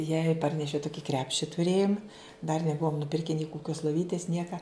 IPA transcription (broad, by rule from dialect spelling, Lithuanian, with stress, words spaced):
jɛɪ ˈpɐrʲnʲɛʃʲɛʊ ˈtʊkʲɪ ˈkrʲæːpʲʃʲɪ tʊˈrʲeːjʊm dɐr nʲɛˈbuɔm nʊˈpʲɪrʲkʲɛ nʲɛɪ kʊˈkʲoːs lˠoːˈʋʲiːtʲɪs ˈnʲiɛkɐ